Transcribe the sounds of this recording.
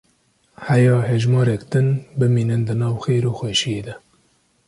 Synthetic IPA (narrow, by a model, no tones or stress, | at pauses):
hæjɑːɦeʒmɑːɾɛkd̪ɨnbɨmiːnɨnd̪ɨnɑːwxeːjɾoːxweːʃijeːd̪ɛ